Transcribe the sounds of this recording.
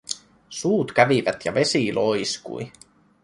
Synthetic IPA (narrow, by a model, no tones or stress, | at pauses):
suːt̪k̟æʋiʋæt̪jɑ̰ʋe̞silʔo̞jskṵj